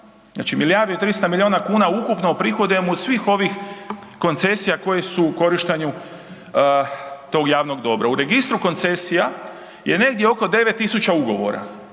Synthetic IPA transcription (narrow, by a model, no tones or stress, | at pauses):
zna̰ːt͡ʃimilijaɾd̪iot̪ɾist̪amilʲjio̞ːnakuːnaukupnopɾixo̞d̪emod̪sʋiːxo̞ʋix | ko̞nt̪se̞sijako̞jesuko̞ɾiʃt̪eɲu | t̪o̞ɡjaːʋno̞ɡd̪o̞bɾauɾe̞ɡist̪ɾuko̞nt̪se̞sija | je̞ne̞ɡ̚d̪jeo̞ko̞d̪e̞ʋet̪ːisut͡ʃauɡo̞ʋo̞̰ɾa̰